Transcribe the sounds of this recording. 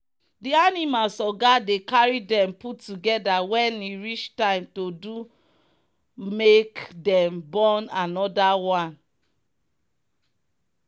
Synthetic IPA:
dianimalsɔɡadekaɹidɛ̃mputːuɡɛdawɛ̃niɹit͡ʃtãɪ̃mtodu | mekdɛ̃mbɔ̃nanɔdawãn

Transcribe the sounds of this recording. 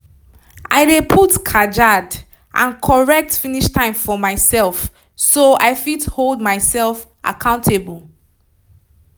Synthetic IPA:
ʔa̰ɪdepʰutkʰad͡ʒad | ʔã̰nkʰɔɹɛk̚tfiniʃtʰãɪ̃mfɔmaɪsɛlˠf | soa̰ɪfitholˠd̚maɪsɛlf | ʔa̰kʰãʊ̃ntʰebəl̩ˠ

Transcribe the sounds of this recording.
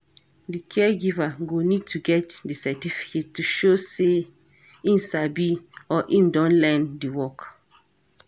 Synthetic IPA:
dikʰɛɡivaɡonid̚tʰuɡɛtdisɛtifi̥ketːuʃose | ĩmsabiɔʔĩmdɔ̃nlɛ̃ndiwɔk

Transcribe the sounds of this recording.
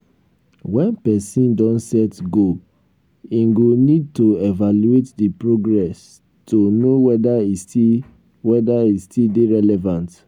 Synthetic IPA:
wɛ̃npɛsĩndɔ̃nsɛtɡo | ĩŋɡonid̚toevaluetdipɹoɡɹɛs | tʰonowɛdaisti | wɛdaistildeɹɛlɛvãnt

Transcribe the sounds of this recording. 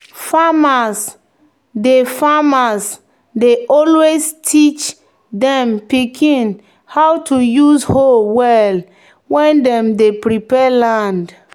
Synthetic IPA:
famas | defamas | deʔɔlwestʰit͡ʃ | dɛ̃mpikʰĩn | hawtujusholwɛl | wɛ̃ndɛ̃mdepɹipɛlãnd

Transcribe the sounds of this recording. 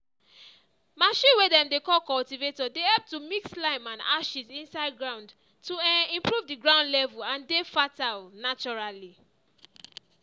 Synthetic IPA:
maʃĩnwedɛ̃mdekɔlkɔltivetɔdehɛlp̚tumikslãɪ̃mãna̰ʃisĩnsaɪd̚ɡɹãʊ̃nd | tuĩmpɹuvdiɡɹãʊ̃ndlɛvulãndefatalnat͡ʃɔɹali

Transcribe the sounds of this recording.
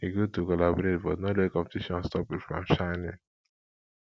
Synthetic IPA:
iɡotukɔlabɔɾetbɔtnɔlekɔ̃mpetiʃɔ̃nstɔpifɾɔ̰̃mʃaɪnɪ̰̃n

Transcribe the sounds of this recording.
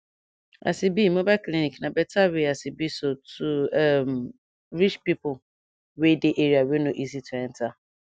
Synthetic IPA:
a̰sibimobakliniknabɛtaweasibisotuɛm | ɾit͡ʃpipʊ | wedeʔeɾiawenoʔizitʰuɛnta

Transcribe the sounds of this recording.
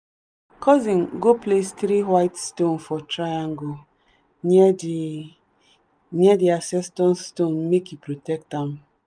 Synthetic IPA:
kɔzĩnɡoplestɾiɦwaɪtstonfɔtɾajaŋɡo | nɛdiasɛstɔ̃nstonmekipɾotɛk̚tam̩

